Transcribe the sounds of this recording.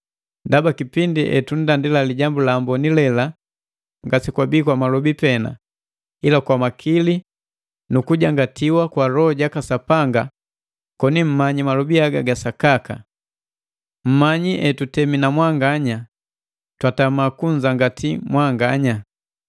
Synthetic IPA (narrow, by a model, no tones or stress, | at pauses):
dabakipindiʔɛ̰tun̩dandilaliɟambulaːmbɔnilɛla | ŋɡasikwabiːkwamalɔbipɛna̰ | ilakwamakʰili | nukuɟaŋɡatiwakwaɾɔɟakasapaŋɡa | kɔnim̩maɲimalɔbiaɡaɡasakaka̰ | m̩maɲiʔɛtutɛminamwaŋɡaɲa | twatamakuɲd͡ʒaŋɡatimwaŋɡaɲa